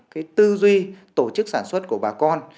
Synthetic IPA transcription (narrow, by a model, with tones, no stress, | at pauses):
kaː˨˦jt̪ɨ˧zwi˧t̪o˧˩t͡ɕɨ˦˥k̚saː˧˩nswə˦˥t̚ku˧˩əɓaː˨˩kɔ˧n